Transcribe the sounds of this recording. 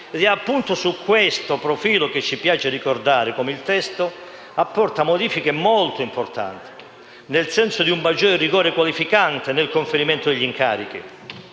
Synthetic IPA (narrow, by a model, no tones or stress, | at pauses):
d̪ɛapːunt̪ʊsukːwest̪opɾofiːloket͡ʃːipjaːt͡ʃerikord̪aːɾekomeilt̪ɛst̪o | apːɔrt̪amod̪iːfikemolt̪oimport̪a̰nt̪i̥ | nelsɛnsod̪iumːad͡ʒːɔːɾeriɡɔːɾekwalifikant̪enelkoɱfeɾimɛnt̪ʊd̪eʎːiŋka̰ːɾik̟ḭ